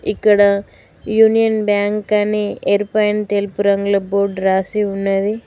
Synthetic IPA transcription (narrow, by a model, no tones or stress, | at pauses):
ɪkːɐɽɐ | juːnijɐnbaːŋkaneeːɾpɐjɐnt̪eːlpuɾɐŋɡlɐboːɖɾaːsiʊnːɐði